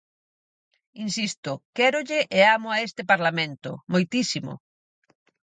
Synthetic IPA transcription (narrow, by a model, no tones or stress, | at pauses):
insist̪ʊkɛɾʊʎɪʔeamʊaest̪ɪpaɾlamẽnt̪ʊ̰mojt̪isimʊ̰